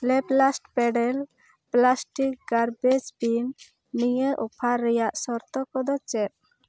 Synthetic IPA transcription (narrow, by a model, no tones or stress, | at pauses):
lɛplasʈpɛɖɛl | plasʈik̚ɡaɾbed͡ʒbinː | iɲeʔɔpʰaɾːɛjaʔsɔɾt̪ɔkɔd̪ɔt͡ʃɛt̪̚